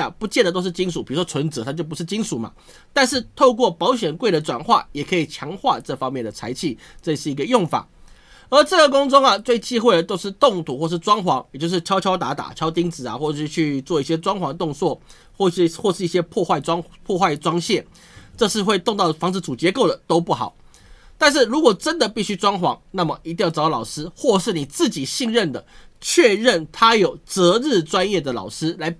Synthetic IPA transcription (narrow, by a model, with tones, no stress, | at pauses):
pu˧˥t͡ɕɛ˥˩nd̪ə˩t̪o˥ʊʂ̬̩˥˩t͡ɕi˥nsu˨˩pi˨˩ɻu˧˥ʂwɔ˥t͡sʰwə˧˥nt͡sɤ˧˦˥t̪ʰt͡ɕjo˥˩ʊpu˧˥ʂɻ̩˥˩t͡ɕi˥nsu˨˩ma̰˩ | t̪a˥˧nʂɻ̩˥˧t̪ʰo˥˧ʊkwɔ˥˩pɑ˧˥ʊɕɥɛ˨˩nkwe˥˩ɪd̪ə˩t͡swa̰˨˩nxwa̰˥˩jɛ˨˩kʰɤ˧˥i˨˩t͡ɕʰjɑ˧˥ŋxwa˥˧ʈ͡ʂɤ˥˩fɑ˥ŋmjɛ˥˩nd̪ə˩t͡sʰa˧˥ɪt͡ɕʰi˥˩ | ʈ͡ʂɤ˥˧˩ʂɻ̩˥˩i˧˥ɡə˧jʊ˥˩ŋfa̰˨˩˦ | ə˞˧˥ʈ͡ʂɤ˥˩ɡə˩kʊ˥ŋt͡sʊ˥ŋa˨t͡swe˥˩ɪt͡ɕi˥xwe˥˩ɪə˩t̪o˥ʊʂɻ̩˥˧t̪ʊ˥˩ŋt̪ʰu˨˩˦xwɔ˥˧ʂ̬̩˥˩ʈ͡ʂwɑ˥ŋxwɑ˧˥ŋjt͡ɕjo˥˧ʊʂɻ̩˥˩t͡ɕʰjɑ˥ʊt͡ɕʰjɑ˥ʊt̪a˧˥t̪a̰˨˩t͡ɕʰɑ˥ʊt̪i˥ŋt͡sɹ̩˨˩a̰˨xwɔ˥˩ɤ˨˩ʂɻy˥˧t͡ɕʰy˥˧t͡swɔ˥˧i˥˩ɕjɛ˥t͡swɑ˥ŋxwɑ˧˥ŋt̪ʊ˥˧ŋt͡swɔ˥˩ | xwɔ˥˧˩xwɔ˥˧ʂɻ̩˥˩i˥˩ɕjɛ˥pʰwɔ˥˧xwa˥˩ɪʈ͡ʂwɑ˥ŋpʰwɔ˥˧xwa˥˩ɪʈ͡ʂwɑ˥ŋɕjɛ˥˩ | ʈ͡ʂɤ˥˧ʂɻ̩˥˧xwe˥˧ɪt̪o˥˧ŋt̪ɑ˥˩ʊfɑ˧˥ŋd͡zɹ̩˧˩t͡su˨˩t͡ɕjɛ˧˥ko˥˩ʊd̪ə˩t̪o˥ʊpu˥˩xɑ̰˨˩˦ʊ | t̪a˥˧nʂ̬ɻ̩˥˩ɻu˧˥kwɔ˨˩ʈ͡ʂə˦˥nd̪ə˨pi˥˩ɕy˥ʈ͡ʂwɑ˥ŋxwɑ˧˥ŋna˥˩mə˩i˧t̪i˥˧jlɑ˨˩ʊʂɻ̩˥xwɔ˥˧ʂɻ̩˥˩ni˨˩t͡sɹ̩˥˩t͡ɕi˨˩ɕi˥˧ŋɻə˥˩nd̪ə˩t͡ɕʰɥɛ˥˧ɻə˥˩nt̪ʰa˥jo˨˩ʊt͡sɤ˧˥ɻ̩˥˩ʈ͡ʂwa˦˥njɛ˥˩d̪ə˩lɑ̰˨˩ʊʂɻ̩˥la˧˥ɪ